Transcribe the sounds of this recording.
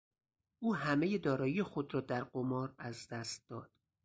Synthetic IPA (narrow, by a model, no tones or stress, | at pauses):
ʔuːɦæme̞je̞d̪ɒːɾɒːjijexo̞d̪ɾɒːd̪æɾɢomɒːɾæzd̪æst̪̚d̪ɒːd̪̥